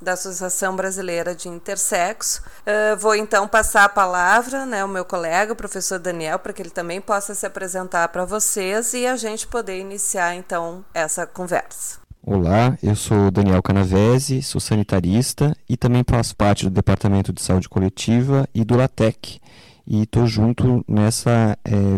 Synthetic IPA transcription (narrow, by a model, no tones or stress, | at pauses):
d̪ɐasosiasɐ̃w̃bɾazilejɾɐd͡ʒɪĩnt̪eɾsɛksʊ̥ɛvowẽnt̪ɐ̃w̃pasaɾɐpalavɾɐnɛʊmewkolɛɡɐpɾofesoɾd̪ɐniɛwpɾɐkɪelɪt̪ɐ̃mbẽj̃pɔsɐsɪapɾezẽnt̪aɾpɾɐvosezɪaʒẽnt͡ʃɪ̥pod̪eɾinisiaɾẽnt̪ɐ̃w̃ɛsɐkõvɛ̰ɾsɐ̥o̰laewsod̪ɐ̃niɛwkɐnavɛzɪso̰sɐ̃nit̪aɾist̪ɐɪt̪ɐ̃mbẽj̃fasʊ̥paɾt͡ʃɪd̪ʊd̪epaɾt̪amẽnt̪ʊd͡ʒ̪ɪsaud͡ʒɪkolet͡ʃivɐʔɪd̪ʊlat̪ɛkɪ̥ | ɪt̪oʒũnt̪ʊnɛsɐɛ